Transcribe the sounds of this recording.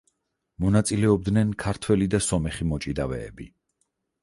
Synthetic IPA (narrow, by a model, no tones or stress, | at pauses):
mɔnat̪sʼilɛɔb̚d̪nɛnkʰaɾt̪ʰwɛlid̪asɔmɛχimɔt͡ʃʼid̪avɛ̰ːbi